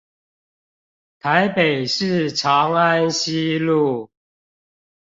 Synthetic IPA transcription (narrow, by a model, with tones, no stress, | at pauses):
t̪ʰa˨˦ɪpe˨˩ɪʂɻ̩˥˨ʈ͡ʂʰɑ˨˦ŋa˦˥nɕi˦lu˥˨